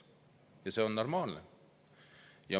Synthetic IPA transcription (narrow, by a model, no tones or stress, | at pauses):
jɑse̞o̞nːo̞rmɑːlne | jɑ